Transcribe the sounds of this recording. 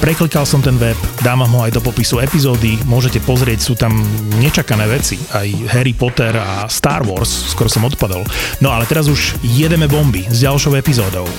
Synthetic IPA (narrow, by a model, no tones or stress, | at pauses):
pɾɛklikalsɔmt̪ɛnʋɛpd̪aːʋamɦɔajd̪ɔpɔpisuɛpizɔːd̪imʊɔʒɛcɛpɔzɾɪɛcsuːt̪amɲɛt͡ʃakanɛːʋɛt͡sḭajɦɛɾipɔt̪ɛɾast̪a̰ːɾʋɔ̰ɾssːkɔɾɔsɔmɔt̪pad̪ɔ̰lnɔalɛt̪ɛɾazuʒjɛd̪ɛmɛbɔmbizɟalʃɔʊɛpizɔːd̪ɔʊ